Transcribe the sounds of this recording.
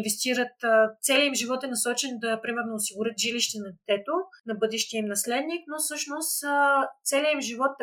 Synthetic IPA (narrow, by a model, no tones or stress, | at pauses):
nvɛst̪iɾət̪ːt̪sɛliimʒivɔt̪ɛnɐsɔt͡ʃɛnd̪ɐpɾimɛɾnoːsiɡʊɾʲɤt̪ʒiliʃt̪ɛnɐd̪ɛt̪ɛt̪onɐbɤd̪ɛʃt̪iəimnɐslɛd̪niknofsɤʃnost̪t̪sɛliəimʒivɔt̪ː